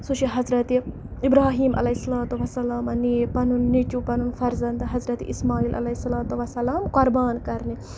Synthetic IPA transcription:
suʃiɦɐzɾɐt̪i | ibɾaːɦiːmʔɐ̰lɐisːɐlaːt̪uʋɐsːɐlaːmɐniːpɐnunːit͡ʃupɐnunfɐɾzɐnd̪ɦɐzɾɐt̪ḭʔismaːiːlʔɐ̰lɐisːɐlaːt̪uʋɐsːɐlaːmkoɾbaːnkɐɾni

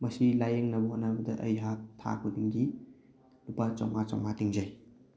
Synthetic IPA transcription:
mɐsilajeŋnɐbɐhotnɐbɐdɐʔɐjɦatʰa̰k̚bɐdiŋdi | lupat͡ʃawŋat͡ʃa̰wŋatiŋzaj

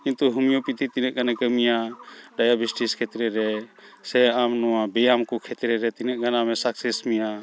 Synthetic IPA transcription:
kint̪uɦumijɔpit̪ʰit̪inɛʔ̚ɡanakəmijaɖajabisʈiskʰɛt̪ɾɛɾɛsɛamnɔwabɛjamkɔkʰɛt̪ɾɛɾɛt̪inɛʔ̚ɡanamɛsaksɛsmija

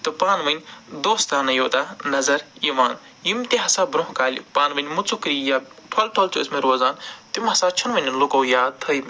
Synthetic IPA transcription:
t̪ɨpaːnʋɐnʲd̪oːst̪aːnɐjoːt̪aːnɐzɐɾjiʋaːn | jimt̪eɦɐsaːbɾõɦkaːlʲipaːnʋɐnʲmut͡sʰukɾijaʈʰolʈʰoːlt͡ʃʰuismeɾoːzaːnt̪imɦɐsaːt͡ʃʰɐnʋɐnʲlukowjaːt̪ʰɐjm

